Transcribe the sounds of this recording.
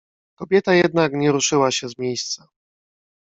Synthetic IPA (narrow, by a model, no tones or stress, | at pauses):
kɔbʲjɛt̪ajɛd̪nakɲɛɾuʂɘwaɕɛzmʲjejst̪sa